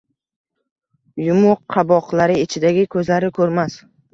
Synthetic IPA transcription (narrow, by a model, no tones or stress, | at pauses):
jʊmʊqʰːɑbɒqlaɾɪɪt͡ʃʰɪd̪aɡʲɪkʰɵzlaɾɪkʲʰɵɾmas